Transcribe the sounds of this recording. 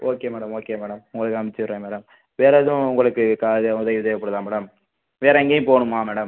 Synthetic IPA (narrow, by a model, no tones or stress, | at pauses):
oːkeːmeːɽɐmoːkeːmeːɽɐmʊŋɡɐɭɯkːɯnɐmɪt͡ʃːɯʋɪɾːẽːmeːɽɐm | ʋeːɾɐðɯ̃ʊŋɡɐɭɯkːɯkaːðʊðɐjɐʋðɐʋɐpːɐɽɯðaːmeːɽɐm | ʋeːɾɐɪŋɡeːj̃poːɳɯmaːmeːɽɐm